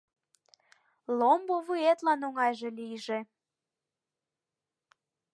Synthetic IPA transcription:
lomboβuet̪lɑnoŋɑjʒelijʒe

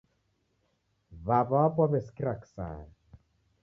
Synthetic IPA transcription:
βaβaapɔβɛskiɾaksa̰ɾ

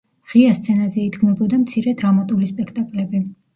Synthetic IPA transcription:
ʁ̥iast̪sʰɛnazɛid̪ɡmɛbɔd̪amt̪sʰiɾɛd̪ɾamat̪ʼulispʼɛkʰt̪ʼakʼlɛbi

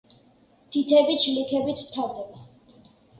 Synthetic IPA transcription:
t̪ʰit̪ʰɛbit͡ʃʰlikʰɛbit̪ʰw̥t̪ʰaɾd̪ɛba

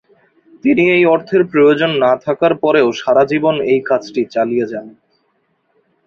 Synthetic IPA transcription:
t̪iniejɔɾt̪ʰeɾpɾojod͡ʑonːat̪ʰakaɾpɔɾeoʃaɾad͡ʑibonejkat͡ɕʰʈit͡ɕalijed͡ʑan

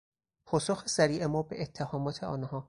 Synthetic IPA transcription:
pʰɒːsoxesæɾiːʔemɒːbḛʔet̪ʰːehɒːmɒːt̪ʰeɒ̰ːnhɒː

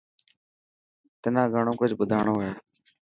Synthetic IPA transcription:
t̪ənãːɡʱəɳõːkʊd͡ʒʱɓʊd̪ʱaːɳoːɦeː

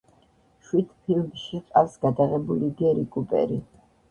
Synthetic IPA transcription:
ʃwid̪̥pʰilmʃiqʼafsɡad̪aʁɛbuliɡɛɾikʼupʼɛ̰ɾi

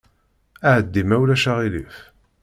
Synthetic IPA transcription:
æʕəd̪ːimæwlæʃaʁilif

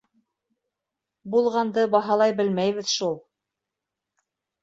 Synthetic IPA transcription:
bulˠʁɑnd̪ɤbɑɦɑlˠɑjbɘ̆lmæjβɘðʃulˠ

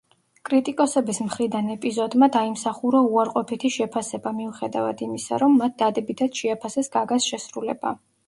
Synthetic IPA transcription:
kʼɾit̪ʼikʼɔsɛbismχɾid̪anɛpʼizɔd̪mad̪aimsaχuɾɔuaɾqʼɔpʰit̪ʰiʃɛpʰasɛbamiuχɛd̪a̰vad̪imisa̰ɾɔmːat̪̚ʰd̪ad̪ɛbit̪ʰat̪ʃɛapʰasɛsɡaɡasʃɛsɾulɛba̰

